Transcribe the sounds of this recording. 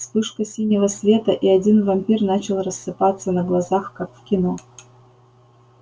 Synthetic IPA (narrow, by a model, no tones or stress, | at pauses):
spɨʂkəsʲinʲɪvəsvʲe̞t̪əʔiɐdʲinvɐmʲpʲirnat͡ɕɪlˠrəsːɨpat̪sːənəɡlˠɐzaxkakfkʲɪno